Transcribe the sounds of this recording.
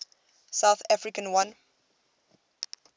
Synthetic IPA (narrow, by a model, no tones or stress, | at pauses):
saʊθafɹikə̃nwãn